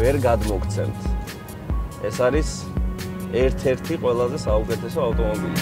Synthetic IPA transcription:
ɛɾɡad̪mɔkʰt̪sʰɛ̰mt̪ʰ | ɛsaɾis | ɛɾt̪ʰɛɾt̪ʰiqʼwɛlˠazɛsaukʼɛt̪ʰɛsɔaft̪ʼɔnɔbili

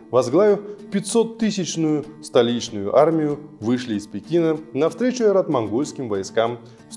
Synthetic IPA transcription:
vɐzɡlˠavʲʊpʲɪt̪ʲsot̪ːɨsʲɪt͡ɕnʊjʊst̪ɐlʲit͡ɕnʊjʊʔarmʲɪjʊvɨʂlʲɪːspʲɪkʲinənɐfst̪ɾʲet͡ɕʊɛɾɐt̪mɐnɡo̞lʲskʲɪmvɐjskam

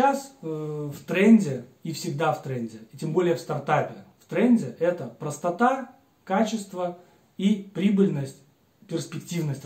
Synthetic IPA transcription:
asft̪ɾenʲdʲɪifsʲɪɡ̚d̪aft̪ɾenʲdʲɪitʲembo̞lʲɪjəfst̪ɐrt̪apʲɪft̪ɾɛnʲdʲɪʔɛt̪əpɾəst̪ɐt̪a | kat͡ɕɪst̪və | ipɾʲibɨlʲnəsʲtʲ | pʲɪrspʲɪktʲivnəsʲtʲ

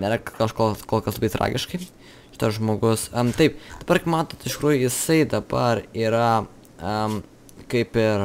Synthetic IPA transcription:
nʲeːɾɐkkɐʃkokoːlˠkɐslˠɐbɐɪt̪ɾʔɑ̰ːɡʲɪʃkɐɪ | ʃʲɪt̪ɐsʒmoːɡʊst̪ɐɪpd̪̥ɐbɐɾkɐɪpmɑːt̪oːt̪ɪʃtʲɪkɾuːjʊjɪsɐɪd̪ɐbɐɾiːɾɐ | ɐ | kɐɪpɪɾ

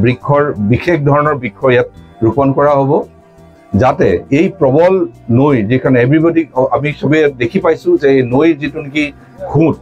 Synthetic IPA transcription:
bɹikʰːɔɹbixex̚dʱɔɹɔnɔɹbikʰɔjat̚ɹupɔnkɔɹaɦobɔ | zatɛejpɹɔbɔlnojzikʰanɛɛbɹibɔdiamisobujat̚dekʰipajsʊ̃zɛnojzitʊniki | kʰũt̚

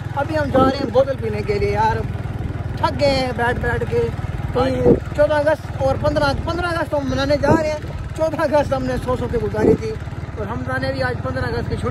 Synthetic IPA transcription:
əbiɦəmd͡ʒaːɾeɛ̃ːboːt̪əlp̬iːneːkeːlieːjaːɾ | ʈʰəɡːẽbɛːɖbɛːɖk̬eːt̪oːĩt͡ʃɔːd̪ãːəɡəst̪ɔːɾpə̃nd̪ɾãːpə̃nd̪ɾãːəɡəst̪t̪õɦmːənaːneːd͡ʒaːɾeːɛ̃ː | t͡ʃɔːd̪ãːəɡəst̪ɦəmnẽːsɔːsoːkeɡʊzaːɾiːt̪ʰiːɔːɾɦəmt̪aːnẽːbiːaːd͡ʒpə̃nd̪ɾãːəɡəst̪ket͡ʃʰʊ

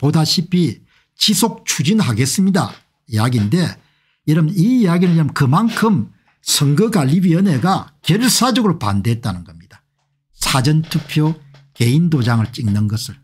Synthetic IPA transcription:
podaɕʰipʰi | t͡ɕisʰok̚t͡ɕʰud͡ʑinɭɦaɡe̞s͈ɯmɲida̰ | ijaɡinde̞ | jʌɾʌmiːjaɡiɾɯɭɾʌmkɯmankʰɯm | sʰʌŋɡɯɡaʎːibiʌne̞ɡakjʌɭs͈ad͡ʑʌɡɯɾopa̰ndeɦet̚t͈anɯnɡʌmɲid̥a | sʰad͡ʑʌntʰupʰjoke̞indod͡ʑaŋɯɭt͡ɕ͈iŋnɯnɡʌsʰɯɭ

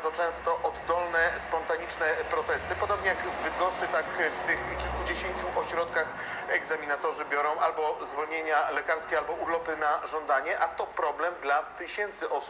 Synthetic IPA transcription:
d̪zɔt͡ʂɛ̃w̃st̪ɔʔɔd̪ːɔlnɛspɔnt̪aɲit͡ʂnɛpɾɔt̪ɛst̪ɘpɔd̪ɔbɲɛjakzbɘd̪ɡɔʂʂɘt̪akft̪ɘxkʲilkud͡ʑeɕeɲt͡ɕuʔɔɕɾɔt̪kax | ɛɡzamʲinat̪ɔʐɘbʲjɔɾɔ̃w̃ʔalbɔzvɔlɲeɲalɛkaɾskʲɛalbɔuɾlɔpɘnaʐɔnd̪aɲɛʔat̪ɔpɾɔblɛmd̪lat̪ɘɕɛnt̪sɘʔɔsu̥p̚

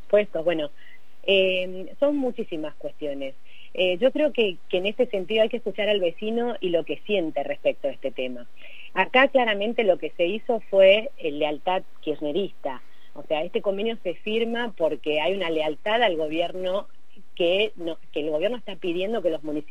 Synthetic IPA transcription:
pwest̪oβwe̞no̞ | em | so̞nmut͡ʃisimaskwe̞st̪jo̞ne̞s | eʒo̞kɾe̞okekeːnest̪e̞sent̪̬iðoajkeskut͡ʃaɾalβe̞sino̞ilo̞ke̞sje̞nt̪erespek̚t̪oaest̪et̪e̞ma | akaklaɾamẽ̞nt̪e̞lo̞ke̞se̞iso̞fwe | lːealt̪aðkjiɾneɾist̪a | ose̞aest̪e̞ko̞mbe̞njo̞se̞fiɾmapo̞ɾkeajunalealt̪aðalɣo̞β̞jeɾno̞ | kenokeːlɣo̞βjeɾnoest̪apið̞je̞nd̪o̞ke̞lo̞zmũnis

